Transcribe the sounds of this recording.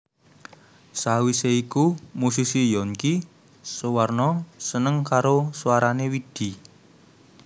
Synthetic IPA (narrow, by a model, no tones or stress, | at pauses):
sawiseikumusisijɔŋki | suwarnɔsənəŋkaɾoswaɾanewid̪̥i̤